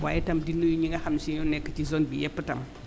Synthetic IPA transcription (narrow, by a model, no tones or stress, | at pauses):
wa̰jitamdinːujuɲiŋɡahamsijunɛkːat͡ʃizonbijɛpːətam